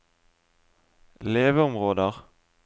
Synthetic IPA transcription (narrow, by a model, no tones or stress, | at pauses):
leːʋəʊmʁoːd̪əʁ